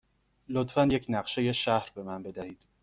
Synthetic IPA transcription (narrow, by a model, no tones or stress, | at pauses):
lot̪fænje̞cʰnæɢʃeje̞ʃæhɾbe̞mænbe̞d̪æhiːd̪̥